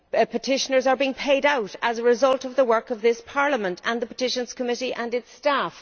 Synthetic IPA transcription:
pʰətʰɪʃənə˞zə˞biɪ̃ŋpʰeɪɾaʊɾəzəɹɪzʌlˠtʌvðəwɜ˞kʌvðɪspʰɑɹləmə̃ntʰə̃nðəpə̥tʰɪʃə̃nz̥kʰəmɪɾiʔə̃nɨtstaf

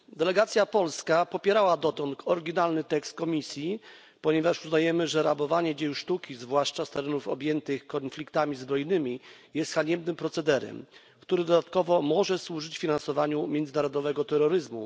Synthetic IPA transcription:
d̪ɛlɛɡat̪sʲjapɔlskapɔpʲjɛɾawad̪ɔt̪ɔnt̪ʰɔɾɡʲinalnɘt̪ɛkst̪̚kɔmʲisʲji | pɔɲɛvaʂuznajɛmɘʐɛɾabɔvaɲɛd͡ʑejuʂt̪ukʲizvwaʂt͡ʂast̪ɛɾɛnufɔ̰bʲjɛnt̪ɘxkɔnflʲikt̪amʲizbɾɔjnɘmʲijɛst̪xaɲɛmnɘmpɾɔt̪sɛd̪ɛɾɛ̰m | kt̪uɾɘd̪ɔd̪at̪kɔvɔmɔʐɛswuʐɘt͡ɕfʲinansɔvaɲumʲjɛnd̪zɘnaɾɔd̪ɔvɛɡɔt̪ɛɾɔɾɘzmṵ

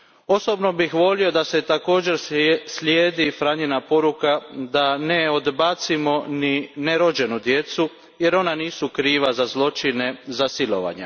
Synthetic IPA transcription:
o̞sobno̞bixʋo̞lio̞d̪ase̞t̪ako̞ːd͡ʑe̞ɾsljeːd̪ifɾaːɲenapo̞ɾukad̪ane̞o̞d̪bat̪simo̞nineɾo̞d͡ʑe̞nud̪je̞t̪su | je̞ɾo̞naniːsukɾiːʋazazlˠo̞t͡ʃine̞zasilo̞̰ʋa̰ɲḛ

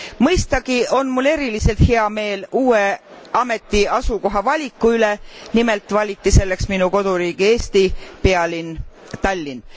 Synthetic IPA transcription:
mɤjst̪ɑɡ̥io̞nmulːe̞ɾilise̞lt̪heɑme̞ːluːe̞ | ɑme̞t̪ːˑiɑsuko̞ɦɑvɑlʲikːˑuylenimelt̪ˑvɑlʲit̪ːise̞lːe̞ksminuko̞d̪̥uɾiːɡ̥ie̞ːst̪ipeɑlin | t̪ɑlʲːin

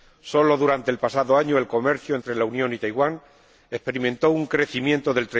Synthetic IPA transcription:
so̞lo̞ðuɾant̪e̞ːlpasaðo̞aɲoe̞lko̞me̞ɾθjue̞nt̪ɾe̞launjõ̞nit̪ajɣwan | e̞hpe̞ɾimẽnt̪o̞uŋkɾe̞θimje̞nt̪o̞ðe̞lt̪ɾe

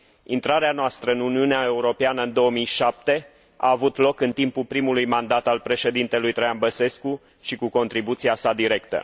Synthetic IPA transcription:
int̪ɾaɾeanoast̪ɾəɨnuniuneae̞uɾo̞peanəɨnd̪o̞əmijʃap̚t̪e̞ | a̰ːvut̪lo̞kɨnt̪impulpɾimulujmand̪at̪alpɾe̞ʃe̞d̪int̪e̞lujt̪ɾajanbəse̞sku | ʃikuko̞nt̪ɾibut̪siasad̪iɾe̞kt̪ə̰

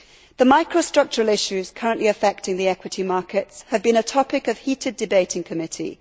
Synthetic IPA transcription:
ðəmaɪkʰɹəstɹ̥ʌk̚t͡ʃəɹəlɪʃʉz̥kʰʌɹə̃nʔliəfɛk̚tɪ̃ŋðiɛkʰwɪtʰimɑˑkɪtshəvbĩñətʰɒpɪkəv̥hiˑtʰɪdɨbeɪtʰɪ̃ŋkʰəmɪtʰḭ

